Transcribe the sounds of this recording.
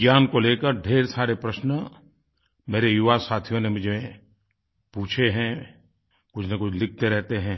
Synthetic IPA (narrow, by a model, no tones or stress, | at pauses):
ɡjaːnkoleːkəɾɖʱeːɾsaːɾepɾɐʃnə | meːɾejʊʋasaːt̪ʰijõnemʊd͡ʒʱe | puːt͡ʃʰeɦɛ̃ | kʊt͡ʃʰnakʊt͡ʃʰlɪk̚ʰt̪eɾɛɦt̪eɦɛ̃ː